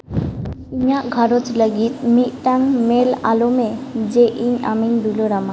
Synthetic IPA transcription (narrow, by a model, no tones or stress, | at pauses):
iɲaʔɡʱaɾɔt͡ʃləɡit̪̚mit̪̚ˀʈaŋmela̰lɔmed͡ʒeʔiɲa̰miɲd̪uloɾama